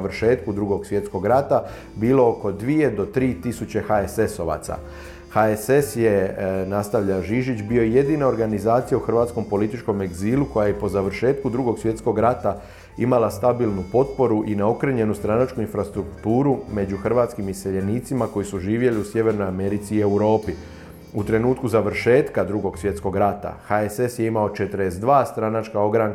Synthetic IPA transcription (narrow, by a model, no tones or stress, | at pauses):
ʋr̩ʃe̞ːt̪kud̪ɾuɡo̞ɡsʋje̞t̪sko̞ɡɾat̪a | biːlo̞oko̞d̪ʋie̞d̪o̞t̪ɾiːt̪isut͡ɕe̞xaese̞so̞ʋa̰t̪sa̰ | haese̞sje̞nast̪aʋʎaʒiʒit͡ɕbio̞ije̞d̪iːnao̞ɾɡanizaːt̪sijauxr̩ʋaːt̪sko̞mpo̞lit̪it͡ʃko̞me̞ɡziːluko̞jajepo̞zaʋr̩ʃe̞ːt̪kud̪ɾuɡo̞ɡsʋje̞t̪sko̞ɡɾat̪a | imalast̪abilˠnupo̞t̪po̞ɾuʔinao̞kɾeɲe̞nust̪ɾanat͡ʃkuinfɾast̪ɾukt̪uːɾume̞d͡ʒuxr̩ʋaːt̪skimiseʎe̞niːt̪simako̞jisuʒiːʋje̞liusje̞ʋe̞ɾno̞jame̞ɾit̪siːe̞wɾo̞ːpi | ut̪ɾe̞nuːt̪kuzaʋɾ̩ʃe̞ːt̪kad̪ɾuɡo̞ɡsʋje̞t̪sko̞ɡɾat̪a̰xaese̞sjeimaot͡ʃe̞t̪əɾesd̪ʋaːst̪ɾanat͡ʃkao̞ɡɾaŋ